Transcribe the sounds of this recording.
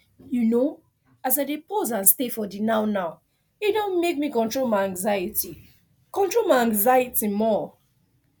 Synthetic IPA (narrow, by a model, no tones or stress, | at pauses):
juno | az̬aɪdepʰozãnstefɔdinaʊnaʊ | edõnmek̚mikɔ̃ntɹolmaɪãŋɡzajiti | kɔ̃ntɹolmaɪãŋɡzajitimɔ